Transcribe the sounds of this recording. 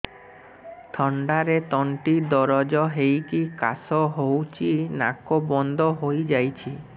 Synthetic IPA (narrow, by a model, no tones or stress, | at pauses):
t̪ʰɔɳɖaɾet̪ɔɳʈid̪ɔɾɔd͡ʒɔɦejkikasɔɦowt͡ʃʰinakobɔnd̪ʱɔɦojd͡ʒajt͡ʃʰi